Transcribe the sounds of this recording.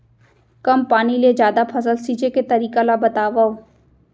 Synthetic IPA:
kɐmpaːniled͡ʒjaːd̪apʰɐsəlsiːd͡ʒeket̪ɐɾiːkalabɐt̪aːʋao

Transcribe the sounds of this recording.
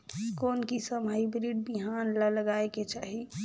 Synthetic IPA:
koːnkisəməibɾiɖbiɦanlələɡaeket͡ʃaːɦi

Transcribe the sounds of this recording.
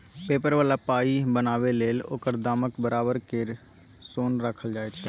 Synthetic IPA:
peːpəɾʋaːlapaːibənaːʋeleːlo̰ːkəɾd̪aːməkbəɾaːbəɾkeɾ | soːnɾəkʰəld͡ʒaːet͡ʃʰː

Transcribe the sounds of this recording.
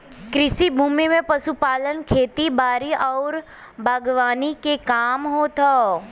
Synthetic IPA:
kɾɪʃibʱuːmimẽpɐsupaːlənkʰeːt̪ibaːɾiʔɔːɾ | bʱaːɡʋaːnikekaːmɦot̪ʰaː

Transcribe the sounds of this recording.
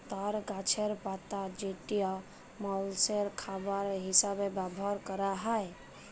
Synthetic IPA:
t̪aɾɡat͡ʃʰeɾpat̪ad͡ʒeʈija | mɔlseɾkʰabaɾɦisabebabʱɔɾkəɾaɦaj

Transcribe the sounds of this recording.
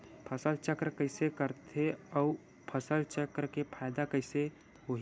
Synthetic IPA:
pʰəsəlt͡ʃəkɾkəɪsekəɾt̪ʰeɔu | pʰəsəlt͡ʃəkɾkepʰaɪd̪akəɪse | oɦi

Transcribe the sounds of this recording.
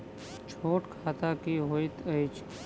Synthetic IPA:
t͡ʃʰoːʈkʰaːt̪aːkiːɦoːit̪əjt͡ʃʰ

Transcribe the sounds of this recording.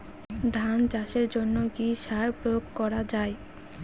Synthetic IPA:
d̪ʱand͡ʑaʃeɾd͡ʑonːokiʃaɾpɾojoɡkɔɾad͡ʑae

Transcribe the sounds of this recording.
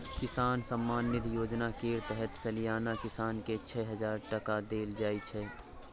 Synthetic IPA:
kɪsaːnsəmːaːnːɪt̪joːd͡ʒnakeːɾt̪ɛɦɛt̪sɐlijaːnakɪsaːnket͡ʃʰɛɦɐzaːɾʈəkad̪eːld͡ʒaːit͡ʃʰɛː

